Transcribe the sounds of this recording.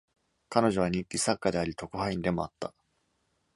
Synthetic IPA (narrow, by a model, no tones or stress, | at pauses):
kano̞ʑo̞βaɲ̟ĩŋkʲisakːad̪e̞aɾʲit̪o̞kohaĩnd̪e̞mo̞at̪ːa